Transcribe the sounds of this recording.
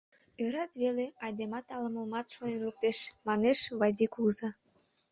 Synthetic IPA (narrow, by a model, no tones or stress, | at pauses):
øɾɑt̪βeleɑjd̪emɑt̪ɑləməmɑt̪ʃojənuk̚t̪eʃmɑneʃβɑd̪ʲikuzɑ